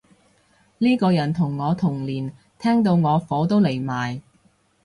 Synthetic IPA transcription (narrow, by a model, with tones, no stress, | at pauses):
liː˥kɔː˧jɐ˨˩nt̪ʰʊ˨˩ŋːɔː˨˧t̪ʰʊ˨˩ŋliː˨˩n | t̪ʰɛː˥ŋt̪̬o˧wŋɔː˨˧fɔː˨˥t̪o˥wle˨˩jmaː˨˩j